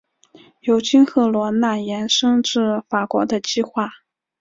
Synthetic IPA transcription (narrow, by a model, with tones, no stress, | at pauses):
jo˨˩ʊt͡ɕi˥nxɤ˥˩lwɔ˧˥na˥˩jɛ˧˥nʂɤ˥ŋʈ͡ʂɻ̩˥˩fa˨˩kwɔ˧˥d̪ə˧t͡ɕi˥xwa˥˩